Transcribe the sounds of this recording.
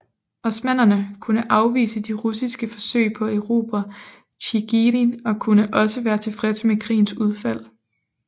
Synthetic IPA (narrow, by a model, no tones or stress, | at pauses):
ɒ̽smæn̰ɐnəkʰunəʔɑ̈ʊʋḭːsəd̥iʁusisɡ̥əfɒ̽sø̰ɪpʰɒ̽eʊʁo̝̰ːb̥ɐ | ɕiɡ̥iɾinɒ̽kʰunəʔɒ̽səʋæːɐt͡sʰe̝fʁɛsmekʰʁḭːn̩suð̞ˠfæl̰